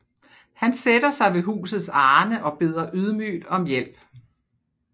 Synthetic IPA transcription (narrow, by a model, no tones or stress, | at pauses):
hænsed̥ɐsɑ̈ɪʋe̝ɦṵːsð̞̩ˠsɑːnəʔɒ̽b̥e̝ð̞̰ˠɐʔyð̞ˠmy̰ːd̥ɒ̽mjel̰b̥